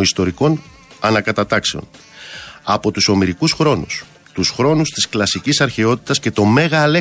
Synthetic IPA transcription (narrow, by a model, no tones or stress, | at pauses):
ist̪o̞ɾiko̞n | ɐnɐkɐt̪ɐt̪ɐkse̞o̞̰n | ɐpo̞t̪uso̞miɾikusxɾo̞nṵs | t̪usxɾo̞nust̪i̥sklɐsicisɐɾçe̞o̞t̪i̥t̪ɐsce̞t̪o̞me̞ɣɐle